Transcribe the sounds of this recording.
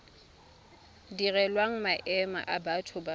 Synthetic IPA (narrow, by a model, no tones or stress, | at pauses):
dirɛlwaŋ̩maʔɛma̰ʔabatʰʊba